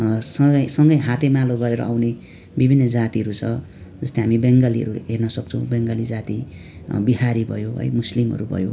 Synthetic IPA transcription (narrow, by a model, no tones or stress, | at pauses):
sʌʌjsʌŋɡʌjɦat̪emaloɡʌɾeɾʌ̰awne | bibʱinːʌd͡zat̪iʌɾut͡sʰʌ | d͡zʌst̪iɦamibʌŋɡaliʌ̰ɾuɦernʌsʌk̚t͡sʰʌw̃beŋɡʌlid͡zat̪i | biɦaɾibʱʌ̰joɦʌ̰jmuslimɦʌ̰ɾubʱʌ̰jo